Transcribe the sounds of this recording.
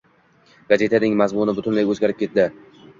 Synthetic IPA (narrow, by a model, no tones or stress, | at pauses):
ɡaze̞t̪ʰanɪŋmazmʊnɪbʊt̪ʰʊnlajɵzɡʲaɾɪp̚kʲe̞t̪̚d̪ɪ